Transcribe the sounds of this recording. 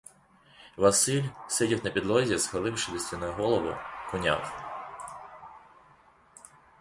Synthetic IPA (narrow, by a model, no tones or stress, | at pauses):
ʋɐsɪlʲsedʲiwnɐpʲid̪lˠɔzʲisxɐlˠɪwʃɪdʲist̪ʲinɔjɦɔlˠɔʋʊ̰kʊnʲa̰w